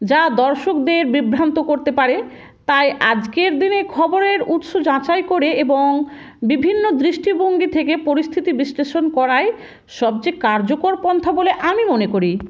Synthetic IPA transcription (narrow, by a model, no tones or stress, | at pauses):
d͡ʑad̪ɔɾʃokd̪eɾbibʱɾant̪okoɾt̪epaɾe | t̪ajʔad͡ʑkeɾd̪inekʰɔboɾeɾut̪ʃod͡ʑãt͡ɕajkoɾeeboŋ | bibʱinːod̪ɾiʃʈiboŋɡit̪ʰekepoɾist̪ʰit̪ibisleʃonkɔɾae | ʃɔb̚d͡ʑekaɾd͡ʑokoɾpɔnt̪ʰaboleʔamimonekoɾi